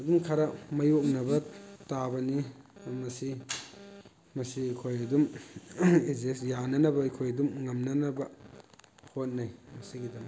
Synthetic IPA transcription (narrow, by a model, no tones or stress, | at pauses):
ɐdumkʰaɾɐmɐjok̚nɐbɐtabɐnimɐsi | mɐsiɐkʰojɐdum | izesjanɐnɐbɐɐkʰojɐdumŋɐmnɐnɐbɐ | hot̚najmɐsiɡidɐm